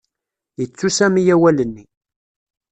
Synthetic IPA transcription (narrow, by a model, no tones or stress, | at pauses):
jət͡sːusæmijæwælənːi